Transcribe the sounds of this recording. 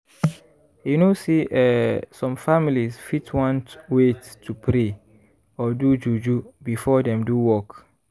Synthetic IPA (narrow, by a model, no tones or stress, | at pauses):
junoseʔɛsɔ̃mfamilisfitʰwɔ̃ntwetʰːupʰɾe | ɔdud͡ʒud͡ʒubifɔdɛ̃mduwɔk